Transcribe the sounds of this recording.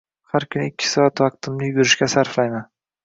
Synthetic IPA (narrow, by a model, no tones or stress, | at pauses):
haɾkʲʰʊnɪɪkʲʰːɪ̥sɒat̪vɑq̚t̪ʰɪmlɪjʊɾɪʃkʲasaɾflajman